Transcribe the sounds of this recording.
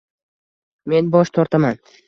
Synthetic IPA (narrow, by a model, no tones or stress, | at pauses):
me̞nbɒʃt̪ʰɒɾt̪ʰaman